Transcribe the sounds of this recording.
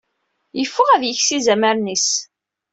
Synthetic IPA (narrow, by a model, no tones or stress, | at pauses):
jəfːəʁæðjəçsizæmæɾnis